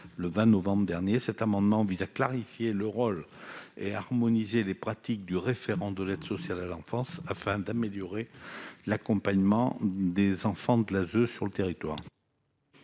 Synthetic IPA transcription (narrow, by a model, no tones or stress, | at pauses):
ləvɛ̃nɔvɑ̃bʁd̪ɛʁnjesɛt̪amɑ̃d̪mɑ̃vizaklaʁifjeləʁɔl | ḛaʁmɔnizelepχat̪ik̚d̪yʁefeʁɑ̃d̪əlɛd̪sɔsjalalɑ̃fɑ̃safɛ̃d̪ameljɔʁelakɔ̃paɲmɑ̃d̪ezɑ̃fɑ̃d̪əlazøsyʁlət̪eʁit̪wa̰ːʁ